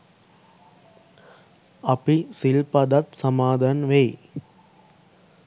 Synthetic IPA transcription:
ɐpisɪlpɐd̪ɐt̪sɐmaːd̪ɐnʋe

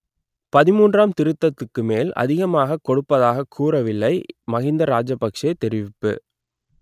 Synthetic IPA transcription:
pɐðɪmuːndraːmt̪ɪɾɯt̪ːɐt̪ːɯkːɯmeːlɐ̰ðɪɣɐmaːɣɐkːɔɽɯpːɐðaːɣɐkʰuːɾɐʋɪlːɐɪmɐɣɪnd̪ɐɾaːd͡ʒɐpːɐkʂjɐɪt̪ːɛɾɪʋɪpːɯ̰

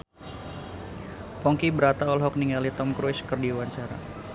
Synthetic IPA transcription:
pɔŋkibəɾat̪aɔlɦɔk̚niŋalit̪ɔmkɾuskərdiwaɲt͡ʃaɾa̰

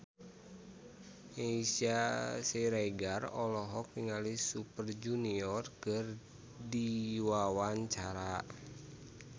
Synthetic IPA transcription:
eisiasɛɾaiɡarɔlɔɦɔk̚niŋalisupərd͡ʒuniɔrkɨr | diwawaɲt͡ʃaɾa

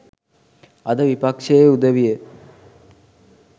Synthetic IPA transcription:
ɐd̪əʋipakʂejeud̪əʋijə

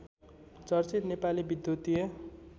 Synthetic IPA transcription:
t͡sʌrt͡sit̪nepalibid̪jut̪ijʌ

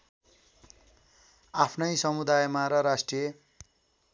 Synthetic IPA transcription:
apʰnʌjsʌmud̪ajmaɾʌɾasʈrije

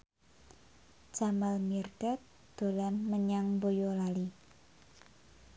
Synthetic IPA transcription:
d͡ʒ̥amalmird̥at̪̚ | d̪̥o̤lanməɲaŋbojolali

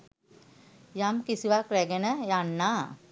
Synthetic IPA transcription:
jamkisiʋakɾɛɡenəjanːaː

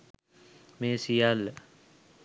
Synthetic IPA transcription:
meːsijal

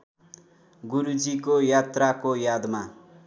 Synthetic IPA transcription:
ɡuɾud͡zikojat̪rakojad̪ma

